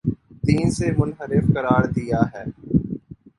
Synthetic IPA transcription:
d̪iːnsemʊnɦəɾɪfkɐɾaːɾd̪ijaɦɛː

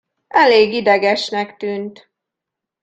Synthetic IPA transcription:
ʔɛleːɡid̪ɛɡɛʃnɛkt̪yːnt̪

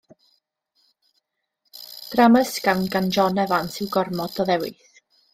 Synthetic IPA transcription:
d̥raməskawnɡand͡ʒɔnɛvansɪwɡɔrmɔdɔðɛwɪ̰θ

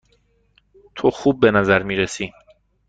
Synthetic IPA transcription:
t̪ʰoxuːb̚ːe̞næzæɾmiːɾesiː

